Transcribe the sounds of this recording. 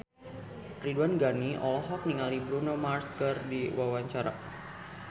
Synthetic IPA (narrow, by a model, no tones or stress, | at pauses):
riduanɡaniʔɔ̰lɔɦɔk̚niŋalibɾunomarskərdiwawaɲt͡ʃaɾa̰